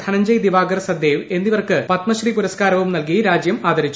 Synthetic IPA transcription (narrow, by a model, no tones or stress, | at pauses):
k̪ʰɐnɐɲd͡ʑɐjd̪ibaːɡɐrsɐd̪eːʋe̞nːiʋɐrkɨpɐt̪mɐɕripuɾɐskaːɾɐʋumnɐlkijɾaːd͡ʑjɐmaːd̪ɐɾit͡ɕːu